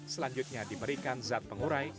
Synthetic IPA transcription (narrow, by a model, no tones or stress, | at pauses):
səlaɲd͡ʒut̪̚ɲadibəɾikanzat̪̚pəŋuɾaj